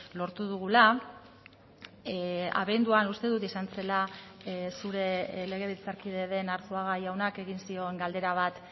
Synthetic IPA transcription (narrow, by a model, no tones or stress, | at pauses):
lo̞ɾt̪uðuɣ̞ula | a̰βe̞nd̪uanust̪e̞ðut̪isanse̞la | suɾe̞le̞ɣ̞e̞βelt͡saɾkiðe̞ðe̞naɾt͡suaɣ̞ajawnake̞ɣinsio̞eŋɡald̪e̞ɾaβ̞at̪